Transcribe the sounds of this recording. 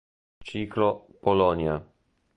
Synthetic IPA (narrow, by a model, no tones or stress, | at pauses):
t͡ʃiklɔpɔlɔnʲja